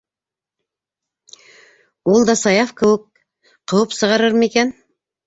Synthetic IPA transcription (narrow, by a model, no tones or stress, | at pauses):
ulˠd̪ɑsɑjɑfkɘ̆wɘk̚ | qʰowɤpsɤ̆ʁɑɾɤɾmikæn